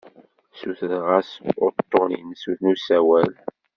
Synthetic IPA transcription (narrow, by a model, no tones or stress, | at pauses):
suθðʁæsʊɾt̪ːoʁnḭnsuθnusæwæl